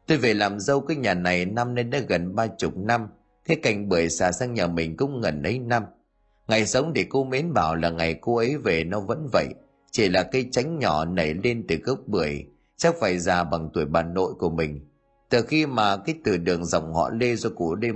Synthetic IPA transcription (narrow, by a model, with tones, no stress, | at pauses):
t̪o˧jve˨˩laː˨˩mzə˧wkaː˨˦jɲaː˨˩na˨˩jna˧mne˧nɗaː˨˦˥ɣə˨˩nɓaː˧t͡ɕʊ˨˩k͡p̚na˧m | ka˨˦jka˨˩jŋ̟ɓɨ˨˩əjsaː˧˩sa˧ŋɲaː˨˩mï˨˩ŋ̟kʊ̰˧˥ŋ͡mŋə˨˩nʔə˨˦jna˧m | ŋa˨˩jsə˨˦wŋ͡mɗe˧˩ko˧me˨˦nɓaː˧˩wlaː˨˩ŋa˨˩jko˧ʔə˨˦jve˨˩nɔ˨˧˦və̰˧˥nvə̰˧˨jʔ | t͡ɕi˧˩laː˨˩kə˨˦jt͡ɕa˨˦jŋ̟ɲɔ˧˩nə˨˩jle˧nt̪ɨ˨˩kə˦˥k͡p̚ɓɨ˨˩əj | t͡ɕa˦˥k̚faː˧˩jzaː˨˩ɓa˨˩ŋt̪u˧˩əjɓaː˨˩nːo̰˧˨jku˧˩əmï˨˩ŋ̟ | t̪ɨ˨˩xi˧maː˨˩kaː˨˦jt̪ɨ˧˩ɗɨ˨˩əŋzə̰˨˩wŋ͡mhɔ̰˧˨le˧zɔ˧ku˧˩ɗe˧